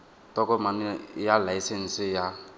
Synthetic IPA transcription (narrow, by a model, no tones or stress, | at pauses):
tɔkɔmanjalaisɛn̩sɪja